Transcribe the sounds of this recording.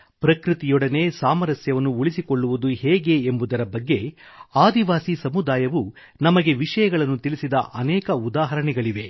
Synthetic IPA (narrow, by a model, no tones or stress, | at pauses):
pɾɐkɾut̪ijɔɽɐne̞ːsaːmɐɾɐsjɐʋɐnːuuɭisiko̞ɭːuʋud̪uhɛːɡe̞ːmbud̪ɐɾɐbɐɡːe̞aːd̪iʋaːsisɐmud̪aːjɐʋu | nɐmɐɡe̞ʋiʂɐjɐɡɐɭɐnːut̪ilisid̪ɐ̰ʔɐnɛːkɐud̪aːɦɐɾɐɳɛɡɐɭiʋe̞